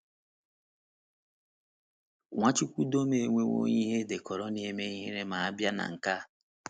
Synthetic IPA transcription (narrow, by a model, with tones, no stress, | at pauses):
ŋʷa˦t͡ʃu˦kʷu˦do˦me˨e˨ŋʷe˦ŋʷo̰˦ɲi˦ɦe˦de˨kɔ˨ɾɔ˦ni˨˦e˨me˦ɦi˦ɾe˦ma˨a˦bja˦na̰˨ŋ̩˨ka˦